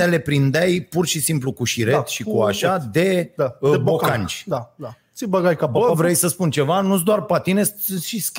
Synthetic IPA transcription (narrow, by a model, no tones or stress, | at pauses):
ele̞pɾind̪ajpurʃisimplukuʃiɾet̪ʃikuaʃad̪e̞d̪abokant͡ʃʲd̪ad̪asibəɡajkavɾejsəspunt͡ʃe̞vanud̪oarpat̪inest̪ʃiskʲ